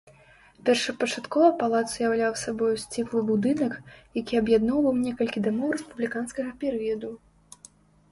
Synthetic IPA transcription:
pʲɛrʂɐpɐt͡ʂat̪kɔvɐpalˠat̪sjawlʲawsabɔjusʲt͡sʲiklˠɨbud̪ɨnɐkjakʲiɐbjad̪nɔwvɐwnʲɛkɐlʲkʲid̪amɔwrɛspublʲikanskɐɣɐpʲɛɾɨjɐd̪u

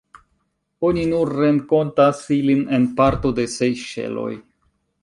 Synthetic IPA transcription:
o̞ninuɾːe̞nko̞ntasiline̞npaɾto̞de̞se̞jʃe̞̰lo̞̰j

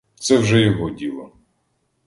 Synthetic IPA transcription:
t̪sɛwʒɛjɔɦɔdʲilˠɐ

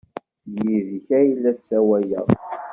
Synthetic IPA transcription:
jiðçæjlːæsːæwæjæ

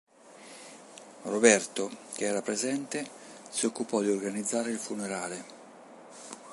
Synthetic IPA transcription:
robɛrt̪okeɛːɾapɾezɛnt̪e | siokːupɔd̪iorɡanid̪zːaːɾeilfuneɾaːle

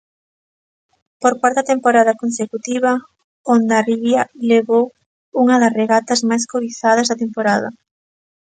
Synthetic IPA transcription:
poɾkwaɾt̪ɐt̪empoɾaðɐkonsekut̪iβɐ | ond̪ɐriβjɐleβow | uŋɐðɐsreɣat̪ɐzmajskoiθað̞ɐzðɐt̪empoɾaðɐ̰

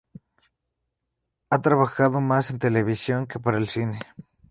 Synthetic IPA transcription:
at̪ɾaβaxaðomasent̪eleβisjoŋkepaɾaelsine

